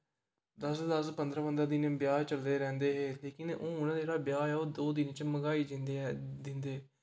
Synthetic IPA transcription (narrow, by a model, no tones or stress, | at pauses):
d̪əsd̪əspənd̪ɾãːpənd̪ɾãːd̪ɪnbjaːt͡ʃəld̪eːɾɛ̃ːnd̪eːɦeːleːkɪnoːʊnãːd͡ʒeːɽaːbjaːɛːoːd̪oːd̪ɪnt͡ʃməɡaːiːd͡ʒɪd̪ɪnd̪eː